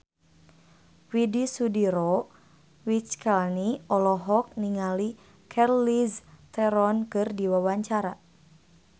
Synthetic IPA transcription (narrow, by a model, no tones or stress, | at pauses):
widisudiɾɔ | wit͡ʃkʰalniɔlɔɦɔk̚niŋali | kʰɛrlist̪ɛɾɔnkɨrdiwawaɲt͡ʃaɾa